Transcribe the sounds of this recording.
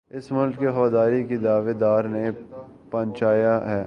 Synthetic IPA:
ɪsmʊlkkeɦɐʋaːd̪aːɾikid̪aːʋed̪aːɾne | pɐ̃ɲt͡ʃaːjaɦɛː

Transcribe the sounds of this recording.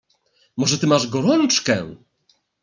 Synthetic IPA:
mɔʐɛt̪ɘmaʐɡɔɾɔnt͡ʂkɛ

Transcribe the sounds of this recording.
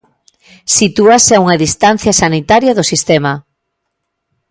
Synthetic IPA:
sit̪uaseauŋɐðist̪an̟θjɐsanit̪aɾjɐðʊsist̪ɛma

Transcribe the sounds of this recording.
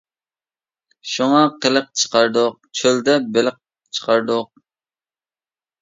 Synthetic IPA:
ʃuŋɑqʰələq̚t͡ʃʰə̥qɑɾd̪ʊq̚t͡ʃʰøld̪ɛbɪlɪq̚ | t͡ʃʰə̥qʰɑɾd̪ʊq̚

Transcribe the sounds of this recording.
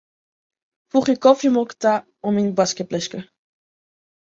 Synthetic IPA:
fuχjəkɔfjimɔkta | ɔminbɑskɛt̚blɛskə

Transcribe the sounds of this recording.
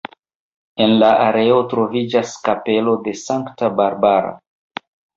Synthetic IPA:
e̞nlaʔaɾe̞o̞tɾo̞vid͡ʒaskape̞lo̞de̞saŋktabaɾbaɾa̰

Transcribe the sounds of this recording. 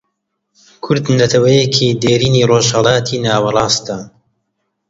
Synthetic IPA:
kʰʊɾd̪nɐt̪ʰɐwɐjekʰiːd̪eːɾiːniːroːʒhɐlˠɑːt̪ʰiːnaːwɐrˤɑːst̪an

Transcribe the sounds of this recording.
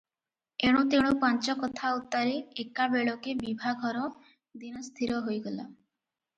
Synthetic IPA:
eɽ̃ũt̪eɽ̃upɔnt͡ʃɔkɔt̪ʰaut̪ːaɾeekabeɭɔkebibʱaɡʱɔɾɔ | d̪inɔst̪ʰiɾɔɦojɡɔla̰

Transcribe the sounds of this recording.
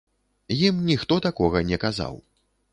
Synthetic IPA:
jimnʲixt̪ɔt̪akɔɣɐnʲɛkaza̰w

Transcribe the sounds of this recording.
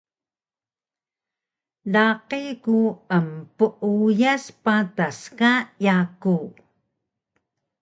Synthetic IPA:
laqikuəmpəʔujaspataskajaku

